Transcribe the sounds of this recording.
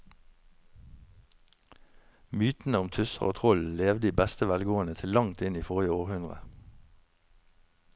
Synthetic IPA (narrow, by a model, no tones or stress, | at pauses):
myːt̪n̩əʊmt̪ʰʉsəʁo̰ːt̪ʰʁɔlleːʋd̪əiːbɛst̪əʋælɡoːənət̪ʰɪllɑŋt̪ɪniːfoːʁjəoːʁhʉnʁə̰